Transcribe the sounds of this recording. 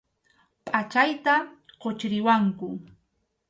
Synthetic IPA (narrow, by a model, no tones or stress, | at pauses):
pʼat͡ʃajt̪aɢot͡ʃɾɪwaŋkʊ